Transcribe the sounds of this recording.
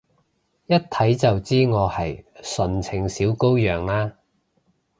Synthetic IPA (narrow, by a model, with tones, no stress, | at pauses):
jɐ˥t̚t̪ʰɐ˨˥jt͡sɐ˨wt͡siː˥ŋɔː˨˧hɐ˨jsɵ˨nt͡sʰɪ˨˩ŋsiː˨˥wko˥wjœː˨ŋlaː˥